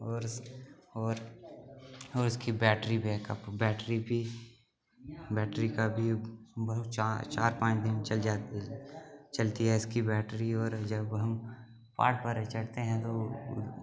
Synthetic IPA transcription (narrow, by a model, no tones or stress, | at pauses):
ɔːɾ | ɔːɾ | ɔːɾʊskibɛːʈɾibʱɛːkəpbɛːʈɾibʱi | bɛːʈɾikabʱibɐɦt͡ʃːt͡ʃaːɾpãːt͡ʃd̪ɪnt͡ʃɐld͡ʒaː | t͡ʃɐlt̪iɦɛɪskibɛːʈɾiɔːɾd͡ʒɐbɦɐm | pa̰ːʈpəɾt͡ʃɐɽt̪eɦɛ̃t̪o